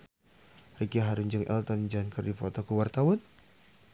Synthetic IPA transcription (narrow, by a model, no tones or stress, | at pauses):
rikiaɦaɾuɲd͡ʒəŋʔɛ̰lt̪ɔnd͡ʒankərdifɔt̪ɔkuwart̪awɔn